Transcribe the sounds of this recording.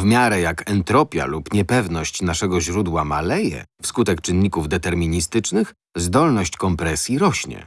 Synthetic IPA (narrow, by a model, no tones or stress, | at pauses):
vmʲjaɾɛjakʰɛnt̪ɾɔpʲja̰lupɲɛpɛvnɔɕt͡ɕnaʂɛɡɔʑɾud̪wamalɛjɛ̰fskut̪ɛkt͡ʂɘnːikuvd̪ɛt̪ɛɾmʲiɲist̪ɘt͡ʂnɘx | zd̪ɔlnɔɕt͡ɕkɔmpɾɛsʲjiɾɔɕɲɛ̰